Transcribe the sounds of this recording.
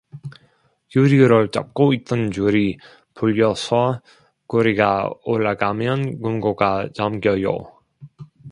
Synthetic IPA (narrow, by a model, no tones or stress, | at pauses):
juɾiɯɾɯɭt͡ɕ͈a̰p̚k͈oit͈ʌnd͡ʑuɾi | puʎːʌsʰʌ | kuɾiɡaoɭːaɡamjʌnkumɡoɡat͡ɕʌmɡjʌjo̰